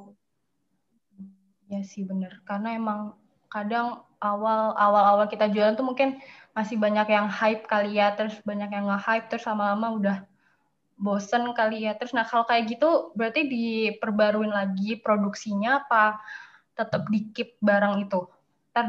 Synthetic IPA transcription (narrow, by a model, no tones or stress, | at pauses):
jasɪhbənərkarnaemaŋ | kadaŋ | awalawalawalkit̪ad͡ʒualant̪umuŋkɪnmasɪhbaɲakjaŋhaɪp̚kalijat̪əɾʊsbaɲakjaŋɡahap̚t̪əɾʊslamalamaudah | bosənkalijat̪əɾʊsnahkalokajaɡit̪ubəɾart̪idipərbaɾuɪnlaɡipɾoduksiɲaːpa | t̪ət̪əp̚dikɪp̚baɾaŋit̪u | t̪a